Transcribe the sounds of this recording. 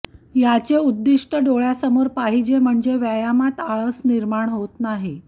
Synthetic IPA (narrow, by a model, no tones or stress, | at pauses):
jat͡seud̪ːiʂʈəɖoɭjasəmoɾpaɦid͡ʑem̤əɳd͡zeʋjajamat̪aɭəsniɾmaɳɦot̪naɦe